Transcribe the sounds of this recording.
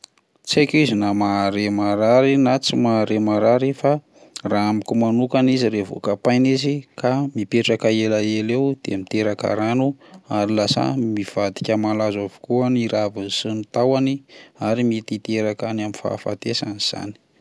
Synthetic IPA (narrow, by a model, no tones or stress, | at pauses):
t͡sekʲizinamaɾemaɾaɾinat͡simaɾemaɾaɾifa | raamikumanukaniziɾevo̰kapajnizikʰamipeʈ͡ʂakaelaelewd̪̥emit̪eɾakə̰ɾanuaɾilasa̰miv̥ad̪i̥kʲəmalazavu̥kuaniɾavisinit̪awaniaɾimit̪it̪eɾakanaminfa̰fa̰t̪esaniz̥a̰ni̥